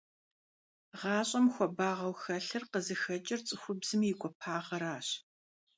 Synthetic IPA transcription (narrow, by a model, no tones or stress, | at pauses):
ʁɑːɕʼɐmxʷɔbaːʁɐwxɐɬɨrqəzɨxɐt͡ʃʼɐrt͡sʼɨxʷʊbz̥ɨmijɪkʷʼɔpʰaːʁɐɾaːɕ